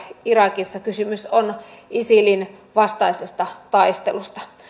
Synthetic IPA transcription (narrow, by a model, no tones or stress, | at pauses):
irɑkisːɑkysymysonisilin | ʋɑst̪ɑisest̪ɑt̪ɑist̪ḛlust̪ɑ̥